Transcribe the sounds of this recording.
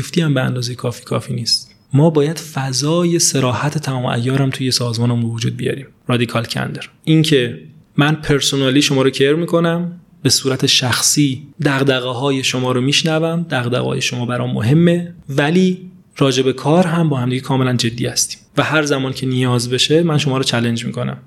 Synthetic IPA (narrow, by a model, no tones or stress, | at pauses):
ift̪iːæmbeæ̰nd̪ɒːze̞jekʰɒːfiːkʰɒːfiːniːst̪ | mɒːbɒːjæd̪̥fæzɒːje̞se̞ɾɒːhæt̪ʰet̪ʰæmɒːmʔæ̰jːɒːɾæmt̪ʰuːje̞sɒːzmɒːnmbvod͡ʒuːd̪̚bijɒ̰ɾiːm | ɾɒːd̪ikʰɒlcʰæ̰nd̪eɾʔiŋcʰe̞ | mænpʰe̞ɾsonɒːliːʃomɒːɾocʰeɾmiːkʰo̞næm | be̞suːɾæt̪ʰeʃæxsiːd̪æɣd̪æɣeɦɒːje̞ʃo̞mɒːɾomiːʃnævæmd̪æɣd̪æ̰ɣɒ̰ːjeʃomɒːbæɾɒːmmːo̰ɦe̞mːevæliː | ɾɒːd͡ʒe̞be̞kʰɒːɾɦæmbɒːhæmd̪iɡɟekʰɒːmelænd͡ʒe̞d̪ːiːhæst̪i̥ːmvæhæɾzæmɒːncʰe̞nijɒːzbe̞ʃe̞mænʃo̞mɒːɾot͡ʃʰæle̞nd͡ʒmḭːkʰo̞næ̰m